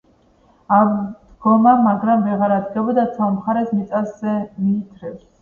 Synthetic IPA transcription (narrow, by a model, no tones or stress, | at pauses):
amd̪̥ɡɔmamaɡɾamvɛʁaɾad̪ɡɛbɔd̪at̪sʰamχaɾɛsmit̪sʼasɛmiːt̪ʰɾɛps